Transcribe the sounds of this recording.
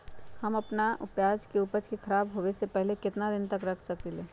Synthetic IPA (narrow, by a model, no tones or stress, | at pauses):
hɐmɐpnaʊ̰pjaːd͡ʒkeupəɾt͡ʃkekʰɐɾaːbɦoːʋesepɛɦlekɪt̪nad̪ɪnt̪ɐkɾɐkʰsɐkeleː